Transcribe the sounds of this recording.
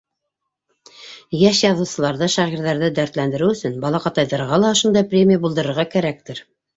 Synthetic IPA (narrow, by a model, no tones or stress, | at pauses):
jæʃjɑðɤ̆wsɤ̆lˠɑɾðɤʃɑʁiɾðæɾðɘd̪æɾt̪lænd̪ɘ̆ɾɘɵ̆sɵnbɑlˠɑqɑt̪ɑjðɑɾʁɑlˠɑŏʃond̪ɑjprʲemʲijabulˠd̪ɤ̆ɾɤ̆ɾʁɑkæɾæk̚t̪ɘɾ